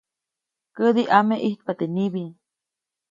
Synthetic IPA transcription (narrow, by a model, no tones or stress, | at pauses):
kəd̪iʔameʔiht̪̚pat̪eniβi